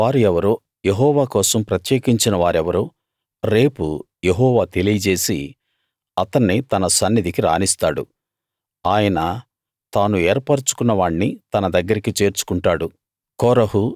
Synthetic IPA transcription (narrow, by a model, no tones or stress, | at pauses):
ʋaːɾuɛʋɐɾoː | jeɦɔːʋaːkɔːsɐmpɾɐt̪jeːkiɲt͡ʃinɐʋaːɾɛʋɐɾuː | ɾe̞ːpu | je̞ɦɔːʋaːt̪e̞lijɐd͡ʒe̞ːsi | ɐt̪ɐɳːit̪ɐnɐsɐnːid̪ikiɾa̰ːnist̪aːɽṵ | aːjɐnɐ | t̪aːnuɛːɾpɐɾt͡ʃu̥kunːɐʋaːɳnit̪ɐnɐd̪ɐɡːɐɾikit͡ʃe̞ːɾt͡ʃu̥kuɳʈaːɽu | kɔːɾɐɦu